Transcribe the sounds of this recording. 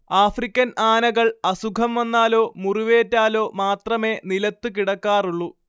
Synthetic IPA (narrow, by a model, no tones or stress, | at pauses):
aːfrikʲːɐnaːnɐɣɐɭɐsukʰɐmɐnːaːlo̞ːmuriʋeːtːaːlo̞ːmaːt̪rɐme̞ːnilɐt̪ːɨkiɽɐkːaːruɭːu